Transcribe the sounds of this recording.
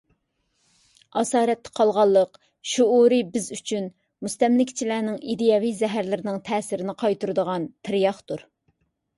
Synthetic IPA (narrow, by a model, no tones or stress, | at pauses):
ɑsɑːɾɛt̪ːɛ̥qʰɑlˠʁɑlˠːəq | ʃuuɾɨbɪzyt͡ʃʰyn | must̪ɛmlɪkʲt͡ʃʰilɛːnɪŋid̪ijɑvizɛɦæɾlɪɾɪnɪŋt̪ʰɛːsɪɾɪnɪqʰɑjt̪uɾɨd̪əʁɑnt̪ʰɪɾjɑχt̪uɾ